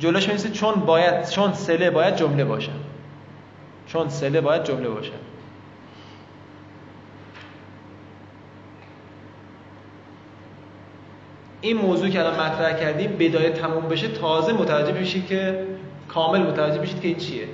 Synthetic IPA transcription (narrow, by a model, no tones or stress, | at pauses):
d͡ʒoloːʃminesit͡ʃʰonbɒːjæd̪̥t͡ʃʰonselebɒːjæd̪̚d͡ʒomle̞bɒːʃæ̰n | t͡ʃʰonselebɒːjæd̪̚d͡ʒomle̞bɒ̰ːʃæ̰nd̪ | ʔiːnmoːzuːicʰʲeælɒːnmæt̪ʰɾæhcʰæɾd̪iːmbe̞d̪ɒːjet̪ʰæmuːmbe̞ʃe̞t̪ʰɒːzemot̪ʰævæd͡ʒːe̞ɦmiʃiːd̪̚cʰekʰɒːme̞lmot̪ʰævæd͡ʒːe̞ɦmiʃiːd̪̚cʰeiːnt͡ʃʰije